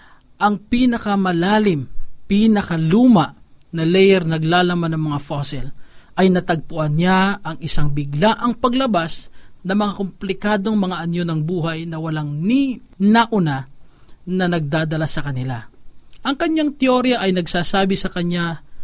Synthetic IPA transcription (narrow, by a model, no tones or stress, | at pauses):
ʔɐŋpinɐkɐmɐlaːlɪmpinɐkɐluːmɐʔnɐlɛjɛɾnɐɡlaːlɐmanɐŋmɐŋafosɛlʔɐjnɐt̪ɐɡ̚pʊʔɐnɲaʔɐŋʔɪsaŋbɪɡlaʔɐŋpɐɡlɐbasnɐmɐŋakomplɪkaːd̪o̞ŋmɐŋaʔɐnjonɐŋbuːhɐjnɐwɐlaŋni | nɐʔʊna | nɐnɐɡ̚d̪aːd̪ɐlasɐkɐnɪlaʔɐŋkɐɲaŋt̪ɪoɾjɐʔɐjnɐɡsaːsaːbɪsɐkɐɲa